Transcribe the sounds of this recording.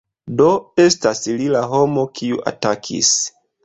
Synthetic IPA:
doe̞staslilaɦo̞mo̞kʰiuʔa̰takʰḭs

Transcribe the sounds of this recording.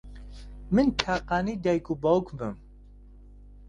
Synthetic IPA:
mɨntʰaːqaːnid̪ɛjkubɔwkʰbɨm

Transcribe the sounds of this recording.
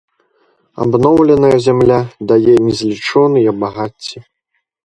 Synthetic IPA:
a̰bnɔwlʲɛnɐjɐzʲamlʲad̪ajɛnʲɛzʲlʲit͡ʂɔnɨjɐbaɣat͡sʲːi

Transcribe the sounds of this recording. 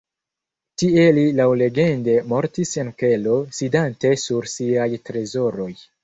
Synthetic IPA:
tie̞lilawle̞ɡe̞nde̞mo̞ɾtise̞nke̞lo̞sidante̞suɾsiajtɾe̞zo̞ɾo̞j

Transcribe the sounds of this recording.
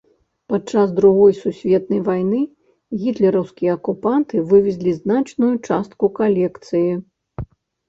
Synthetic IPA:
pat͡ʂazd̪ɾuɣɔjsusʲvʲɛt̪nɐjvajnɨ | ɣʲit̪lʲɛɾɐwskʲijɛɐkupant̪ɨvɨvʲɛzʲlʲiznat͡ʂnujut͡ʂast̪kukalʲɛkt̪sɨji

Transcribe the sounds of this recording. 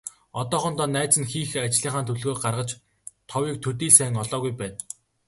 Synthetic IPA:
ɔt̪ɔːχɞ̆nt̪ɔːnæːt͡sɘ̆nxiːxat͡ɕɮiːɴχaːnt̪ʰɵɮɣoːɢarʁə̆t͡ɕ | t̪ʰɔwiːk̚t̪ʰɵt̪iːɮsæːŋɔɮɔːɣujpæːn

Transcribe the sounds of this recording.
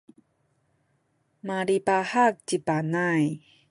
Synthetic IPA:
maɾipahak̚t͡ɕipanaj

